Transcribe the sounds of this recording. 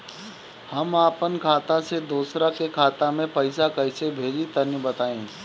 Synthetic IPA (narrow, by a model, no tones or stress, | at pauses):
hɐmaːpənkʰaːt̪ãsed̪uːsɾakekʰaːt̪amẽpɐɪsakɐɪsebʱeːd͡ʒit̪ɐnjəbɐt̪aːẽː